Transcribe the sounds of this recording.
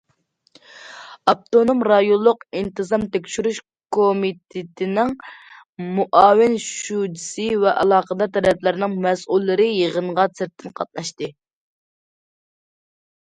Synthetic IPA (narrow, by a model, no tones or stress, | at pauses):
ɑp̚t̪onomɾɑjolˠːʊqint̪ʰɨzɑmt̪ekʲʃyɾyʃ | kʰomit̪ʰɪt̪ʰɪnɪŋ | muʔɑːwɪnʃud͡ʒisɨvɛʔɑlˠɑːqəd̪ɑt̪ʰɛɾɛplɪɾnɪŋmɛsulˠːɨɾɨjəʁəɴʁɑsɪɾt̪ʰːɪnqʰɑt̪̚nɑʃt̪ɨ